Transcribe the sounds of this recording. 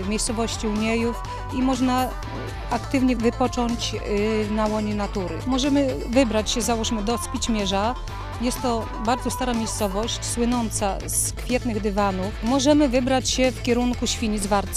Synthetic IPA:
vmʲejst̪sɔvɔɕt͡ɕiuɲejuf | imɔʐna | akt̪ɘvɲɛvɨpɔt͡ʂɔɲt͡ɕnawɔɲɛnat̪uɾɘ̰mɔʐɛmɘ | vɘbɾat͡ɕɕɛzawɔʂmɘd̪ɔspʲit͡ɕmʲjɛʐa | jɛst̪ːɔ | baɾd̪zɔst̪aɾamʲejst̪sɔvɔɕt͡ɕswɘnɔnt̪sa̰ | skfʲjɛt̪nɘɣd̪ɘvanufmɔʐɛmɘvɘbɾat͡ɕɕɛfkʲɛɾuŋkuɕfʲiɲizvaɾt̪s

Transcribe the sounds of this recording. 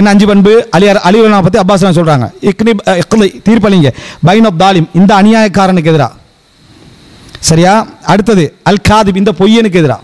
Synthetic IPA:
ɛnːɐɲd͡ʒɯpɐnbɯɐlɪjaɾʔɐlɪʋɯlɐnaːmɐpːɐt̪ːiɐbːaːs̬laːns̬ɔlɾaːŋɡɐ̰ɪkniɪqðɐɪt̪iːɾp̬ːɯɐɭiŋɡɐbɐjnɔbd̪aːlɪmɪnd̪ɐːnʊjaːjɐkːaːɾɐnɯk̬ːɛðɪɾa̰ː | sɐɾɪjaːɐɽɯt̪ːɐðɯɐlkaːðɪbɪnd̪ɐpɔjːɛnɯk̬ːɛðɪɾa̰ː

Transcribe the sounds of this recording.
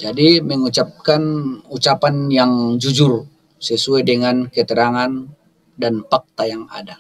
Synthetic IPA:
d͡ʒadiməŋut͡ʃap̚kanut͡ʃapanjaŋd͡ʒud͡ʒʊr | səsuajdəŋankət̪əɾaŋan | danpak̚t̪ajaŋada

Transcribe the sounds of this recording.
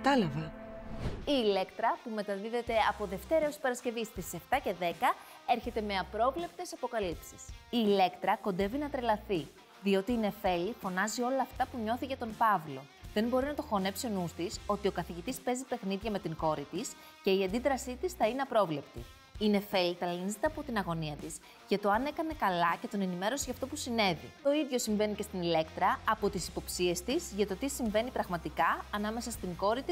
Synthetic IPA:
kɐt̪ɐlɐvɐ | iːle̞kt̪ɾɐpume̞t̪ɐðiðe̞t̪e̞ɐpo̞ðe̞ft̪e̞ɾɐosi̥pɐɾɐsce̞vist̪ise̞ft̪ɐce̞ðe̞kɐ | e̞ɾçe̞t̪e̞me̞ɐpɾo̞vle̞p̚t̪e̞sɐpo̞kɐlipsi̥siːle̞kt̪ɾɐko̞nd̪e̞vinɐt̪ɾe̞lɐθi | ðio̞t̪iːne̞fe̞lifo̞nɐzio̞lɐːft̪ɐpuɲo̞θicet̪o̞mpɐvlo̞̰ | ðe̞nbo̞ɾinɐt̪o̞xo̞ne̞psio̞nust̪iso̞t̪iokɐθiʝit̪ispe̞zipe̞xniðʝɐme̞t̪iŋko̞ɾit̪is | ce̞iɐnd̪iðɾɐsit̪isθɐineɐpɾo̞vle̞pt̪ḭ | ine̞fe̞lit̪ɐlinizit̪eɐpo̞t̪inɐɣo̞niɐt̪is | ʝɐt̪o̞ɐne̞kɐne̞kɐlɐce̞t̪o̞ne̞nime̞ɾo̞siʝɐft̪o̞pusine̞vḭt̪o̞iðʝo̞siɱve̞nice̞st̪inile̞kt̪ɾɐːpo̞t̪isipo̞psie̞st̪izʝɐt̪o̞t̪isiɱve̞nipɾɐɣmɐt̪ikɐɐnɐme̞sɐst̪iŋko̞ɾit̪is

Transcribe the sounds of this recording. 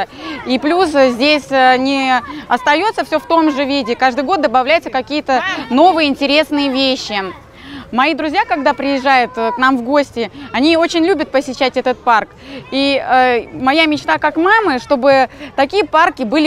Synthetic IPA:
iplʲuszʲdʲesʲnʲɪɐst̪ɐjo̞t̪səfsʲoft̪o̞mʐɨvʲidʲɪkaʐd̪ɨjɡo̞t̪̚d̪əbɐvlʲæjʊt̪səkɐkʲijət̪əno̞vɨjəɪnʲtʲɪɾʲe̞snɨjəvʲeɕːɪ | mɐid̪ɾʊzʲjakɐɡ̚d̪apɾʲɪjɪʐːajʊt̪knamvɡo̞sʲtʲɪɐnʲio̞t͡ɕɪnʲlʲubʲət̪̚pəsʲɪɕːætʲɛt̪ət̪̚park | i | mɐjamʲɪt͡ɕt̪akakmamɨʂt̪o̞bɨt̪ɐkʲijəparkʲɪbɨlʲɪ

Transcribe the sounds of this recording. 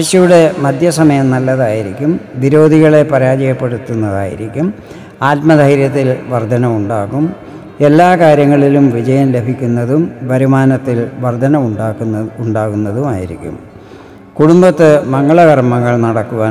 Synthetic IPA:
eɕjɐjuɽe̞mɐd̪ʱjɐsɐmɐjɐmnɐlːɐðaːjiɾikʲːumʋiɾo̞ːd̪ʱiɣɐɭe̞pɐɾaːd͡ʑɐjɐpːe̞ɽut̪ːunːɐða̰ːjḭɾikʲːum | aːt̪̚mɐd̪ʱɐjiɾjɐt̪ːilʋɐrd̪ʱɐnɐmuɳɖaːɣum | e̞lːaːkaːɾjɐŋːɐɭilumʋid͡ʑɐjɐmle̞bʱikʲːunːɐðumʋɐɾumaːnɐt̪ːilʋɐrd̪ʱɐnɐmuɖːuɳɖaːɣunːɐðumaːjiɾḭkʲːṵm | kuɽumbɐt̪ːɨmɐŋːɐɭɐɣɐrmɐŋːɐɭnɐɽɐkːuʋaː

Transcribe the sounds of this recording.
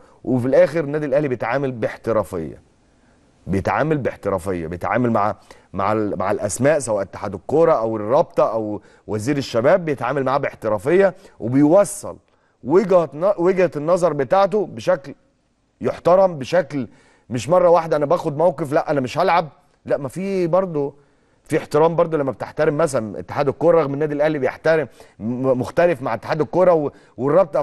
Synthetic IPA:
wʔefilʔæːxeɾenːæːd̪ilʔæhlibejet̪ʕaːmælbeħt̪eɾæːfḛjːæ̰ | bejet̪ʕa̰ːmælbeħt̪eɾæ̰ːfejːɑ̰bejet̪ʕa̰ːmælmaʕ | ma̰ʕma̰ʕelʔæsmæːʔsæwæːʔet̪ːḁħad̪okːoɾˤɑʔæwerˤːɑb̚t̪ˤɑʔæw | wæziːɾeʃːæbæːbːejet̪ʕaːmælmaʕːbeħt̪eɾˤɑfejːɑwʔebejowæsˤːɑ̰l | weɡhæt̪nweɡhæt̪enːɑzˤɑɾˤbet̪aːʕt̪̬obeʃækl | joħt̪ɑɾˤɑmbeʃækl | meʃmɑrˤːɑwaːħed̪æʔænæbæːxod̪̚mæwqeflæʔænæmeʃʔælʕab̚ | læʔmæfiːbɑɾˤd̪ˤo | fiːeħt̪eɾæːmbɑɾˤd̪ˤolæmːæbet̪eħt̪æɾemːæs̬ælænʔḛt̪ːe̥ħaːd̪elkːoːɾɑɾˤɑɣmenːæːd̪ilʔæhlibejeħt̪æɾemmoxt̪ælefmaʕet̪ːe̥ħaːd̪elkːoːɾˤɑw | werˤːɑb̚t̪ˤɑ

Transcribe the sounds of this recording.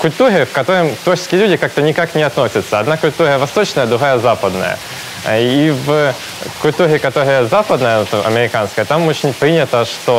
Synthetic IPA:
kʊlʲt̪uɾʲɪfkɐt̪oɾəmt̪ot͡ɕɪ̥skʲɪjlʲudʲɪkak̚t̪ənʲɪkaknʲɪɐt̪no̞sʲət̪sːəɐd̪nakʊlʲt̪uɾʲəvɐst̪ot͡ɕnəjəd̪ɾʊɦajəzapəd̪nə̰jə̰ | iv | kʊlʲt̪uɾʲɪkɐt̪oɾəjəzapəd̪nəjət̪ʔɐ̰mʲɪɾʲɪkanskəjət̪amot͡ɕɪnʲpɾʲinʲɪt̪əʂt̪o

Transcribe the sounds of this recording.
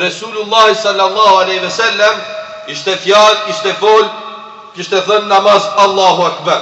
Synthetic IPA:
ɾɛsuːlulˠˤːaːhisɑlːalˠˤːɑːhualɛːhwɛsalːam | iʃt̪ɛfjalkiʃt̪ɛfɔl | kiʃt̪ɛθɔnːamazalˠˤːaːhuakbaɾ

